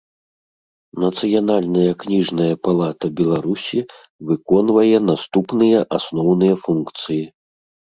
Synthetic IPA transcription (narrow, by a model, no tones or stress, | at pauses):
nɐt̪sɨjanalʲnɐjɐknʲiʐnɐjɐpalˠat̪ɐbʲɛlˠaɾusʲi | vɨkɔnvɐjɛnast̪upnɨjɐʔasnɔwnɨjɐfunkt̪sɨji